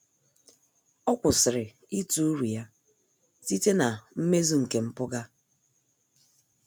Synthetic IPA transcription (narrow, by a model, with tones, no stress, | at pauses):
ɔ˦kʷʊ˨sɪ˨ɾɪ˨ | i˦tu˦u˦ɾu˨ja˦ | ti˦te˦na˨m̩˦me˦zu˦ŋ̩˨ke˨m̩˦pʊ˦ɡa˦